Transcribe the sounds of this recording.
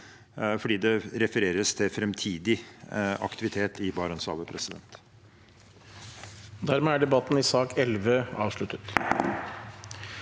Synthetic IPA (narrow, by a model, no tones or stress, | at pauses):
fɔɖiːd̪ɛɾɛfəɾeːɾəst̪ʰɪfɾɛmt̪ʰiːd̪ɪɑ̰kt̪ɪʋɪt̪ʰeːt̪ɪbɑɾɔnsɑ̰ːʋəpʰɾɛsɪd̪ɛ̰nt̪ | d̪æɾmeːæɖɛbɑt̪n̩ɪsɑːkɛlʋəɑːʋʂɭʉt̪ət̪